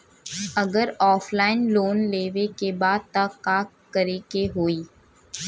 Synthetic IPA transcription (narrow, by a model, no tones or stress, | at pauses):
ɐɡəɾɔːfʰlaːɪnloːnleːʋekebaːd̪̚t̪akaː | kːəɾeːkeɦoːiː